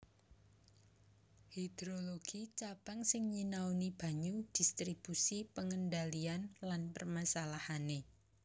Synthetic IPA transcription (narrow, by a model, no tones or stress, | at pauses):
hid̪̥ɾoloɡ̥it͡ʃab̥aŋsɪŋɲinawnib̥a̤ɲud̥ist̪ɾib̥usipəŋəndalianlanpərmasalahane